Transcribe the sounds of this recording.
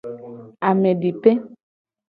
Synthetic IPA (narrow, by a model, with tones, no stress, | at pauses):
a˨mẽ˨ɖi˨pe˦